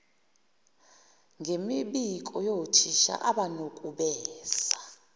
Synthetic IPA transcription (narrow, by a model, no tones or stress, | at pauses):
ŋʱemiɓikʼɔjotʰiʃa̰ʔaɓanokʼuɓɛːsa